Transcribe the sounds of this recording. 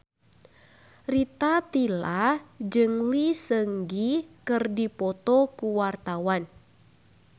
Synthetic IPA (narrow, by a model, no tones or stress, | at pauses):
rit̪at̪ilad͡ʒɨŋlisəŋɡikɨrdipɔt̪ɔkuwart̪awan